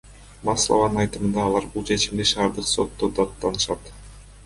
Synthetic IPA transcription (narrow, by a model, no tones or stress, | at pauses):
mɑslˠa̰vɑnɯnɑjt̪ɯmɯnd̪ɑːlˠɑɾbulˠt͡ʃʰe̞t͡ʃimd̪iʃɑːɾd̪ɯqso̞t̪ːod̪ɑt̪ːɑnɯʃɑt̪